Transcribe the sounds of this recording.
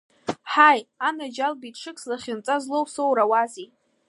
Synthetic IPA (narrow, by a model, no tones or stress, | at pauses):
ħajanad͡ʒalbitʂɨkʰʼslaχʲɪnt͡sʼazlowsowɾawazi